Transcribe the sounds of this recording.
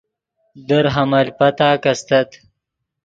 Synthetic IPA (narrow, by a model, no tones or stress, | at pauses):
d̪əɾɦamɐlpɐt̪aːkɐst̪ɐt̪